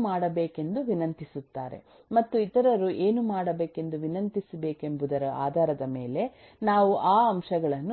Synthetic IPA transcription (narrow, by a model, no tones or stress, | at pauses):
maːɽɐbeːke̞nd̪uʋinɐnt̪isut̪ːaːɾe̞̰ | mɐt̪ːuit̪ɐɾɐɾuʔe̞ːnumaːɽɐbe̞ːke̞nd̪uʋinɐnt̪isɐbe̞ːke̞mbud̪ɐɾɐa̰ːd̪ʱaːɾɐd̪ɐme̞ːle̞ | naːʋuʔaːɐmʃɐɡɐɭɐnːu